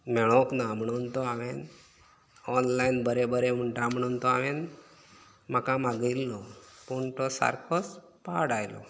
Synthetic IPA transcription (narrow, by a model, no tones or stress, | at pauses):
mɛɭ̃oknamɳont̪oaʋen | ɔnlainbəɾebəɾeʋuɳʈamɳont̪oaʋen | makãmaɡəilːopuɳʈosa̰ɾkʰos | paɽajlo̰